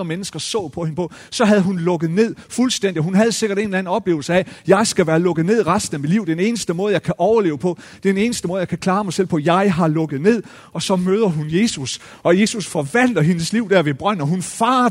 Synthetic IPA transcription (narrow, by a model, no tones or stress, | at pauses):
ɐmenəsɡ̥ɐsɔ̰̽ːpʰɒ̽he̝nəpʰɒ̽ | sɒ̽ɦæðˠɦunlɔ̽ɡ̥ð̞̩ˠne̝ð̞̰ˠfulsd̥en̰d̥iɦhunɦæð̞ˠse̝ɡ̥ɐɾ̥e̝ːnlæn̩ɒ̽b̥le̝ːʊl̩səæjɑ̈ɪsɡ̥æʋæːɐlɔ̽ɡ̥ð̩ˠne̝ð̞̰ˠʁasd̥n̩æʋeliʊ̰d̥ene̝ːnəsd̥əmɔ̽ːð̞̩ˠjɑ̈ɪkʰæʔɒʊɐle̝̰ːʊəpʰɒ̽ | d̥ene̝ːnəsd̥əmɔ̽ːðˠjɑ̈ɪkʰækʰlɑ̈ːmɑ̈ɪsel̰pʰɒ̽jɑ̈ɪɦɑ̈lɔ̽ɡ̥ð̞̩ˠne̝ð̞̰ˠ | ɒ̽sɒ̽møːð̞ˠɐɦunje̝ːsus | ɒ̽je̝susfɒ̽ʋæn̰d̥ɐɦe̝nəsliʊd̥æɐ̰ʋe̝b̥ʁɶn̰ɒɦunfɑ̈ː